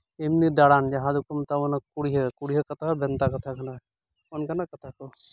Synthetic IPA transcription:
emnid̪aɽand͡ʒɐɦãd̪ukəmt̪aonakuɽiɦəkuɽiɦəkɐt̪ʰabɛnt̪akɐt̪ʰakɐna | onkɐnakɐt̪ʰako

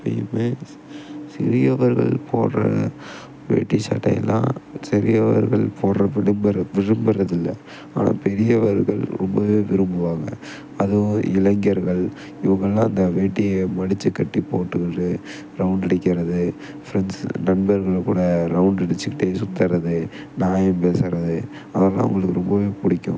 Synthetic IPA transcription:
pɐ̰jɐmeː | sɪ̰ɾɪjɐʋɐɾɣɐ̰ɭpʰoːnrɐ̰ | ʋḛːʈːisɐ̰ʈːɐ̰j̰lːã̰ːsɐɾɪjɐʋɐ̰ɾɣɐ̰ɭpʰoːrrɐʋɪɽɯmbɐɾɐʋɪɾɯmbɐɾɐðɪlːɐ | a̰ːna̰ːpɛɾɪjɐʋɐɾɣɐɭɾɔmbɐʋeːʋɪɾɯmbɯʋaːŋɡɐ̰ | ɐðoɪlɐŋɡɐɾɣɐɭ | ɪʋɐŋɡɐɭlãːɐnd̪ɐʋeːʈːɪjemɐɽɪt͡ʃːɯkːɐʈːipoːʈːɯɣɪɳɖɯ | ɾɐʊɳɖɪɽɪkːɪɾɐðɯ | fɪɾɐnsnɐnbɐɾɣɐɭkːuːɽɐɾɐʊɳɖɪɽɪt͡ʃːɯkːɪʈːeːsʊt̪ːɐɾɐðɯ | naːjɐmpeːsɪɾɐðɯ | ɐʋɐlːã̰ːʊ̰ŋɡɐɭɯkːɯɾɔmbɐʋeːpʊɽɪkʲːʊ̃

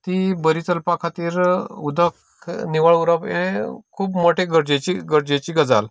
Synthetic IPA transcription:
t̪ibəɾit͡səlpakʰat̪iːɾud̪ək | niʋaɭuɾəpḛkʰuːpmoʈʰeɡəɾd͡ʑet͡ɕiɡəɾd͡ʑet͡ɕiːɡəd͡zal

